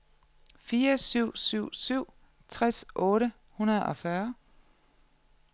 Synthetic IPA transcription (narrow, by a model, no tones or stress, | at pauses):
fiːɐsyʊ̰syʊ̰syʊ̰ | t͡sʰʁɛsʔɔ̽ːɾə | hunɐðˠɒ̽fɶɐ